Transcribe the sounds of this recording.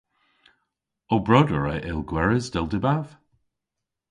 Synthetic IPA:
obɹɔdəɹəʔɪlˠɡwɛɹəzdɛlˠdɪbav̥

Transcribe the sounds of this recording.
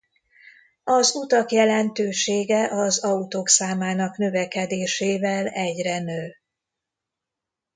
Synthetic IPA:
ɒzut̪ɒkjɛlɛnt̪øːʃeːɡɛʔɒzɒut̪oːksaːmaːnɒknø̞vɛkɛd̪eːʃeːvɛlɛɟrɛnøː

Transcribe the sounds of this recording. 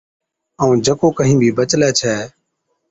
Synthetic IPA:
əːũːd͡ʒəkoːkəɦĩːbʱiːbət͡ʃlɛːt͡ʃʰɛː

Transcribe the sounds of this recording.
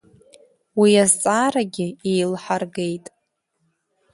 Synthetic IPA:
wiazt͡sʼaːɾaɡʲɪejlħarɡe̞jtʼ

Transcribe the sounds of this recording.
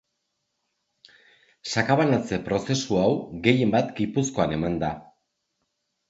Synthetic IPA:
sakaβanat͡se̞pɾo̞se̞suawɡe̞je̞mbat̪ɡipusko̞ane̞mand̪a

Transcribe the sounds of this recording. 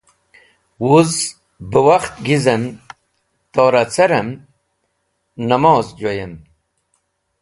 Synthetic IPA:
wuz | bəwaχt̪ɡizɐm | t̪oːɾɐt͡sɐɾɐm | nɐmoːzd͡ʑojem

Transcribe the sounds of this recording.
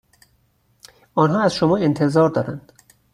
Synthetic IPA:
ɒːnɦɒːæz̥ʃomɒːe̞nt̪ʰe̞zɒːɾd̪ɒːɾænd̪̥

